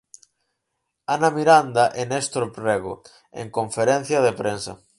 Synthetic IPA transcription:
anɐmiɾand̪aʔenest̪ɾopɾeɣo̰ | ḛŋkoɱfeɾen̟θjɐðepɾensɐ̰

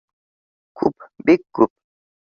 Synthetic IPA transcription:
kʰup̚bikːup̚

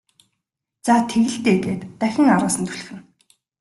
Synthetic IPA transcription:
t͡sat̪ʰeɣɘ̆ɬt̪eːɣeːt̪ːæxʲɪ̆ŋaɾʊːsə̆nt̪ʰuɮ̆xɘ̆n

